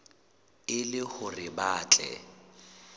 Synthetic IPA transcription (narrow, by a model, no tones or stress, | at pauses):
ɪlɪhʊrɪbaːt͡ɬʼɛ̰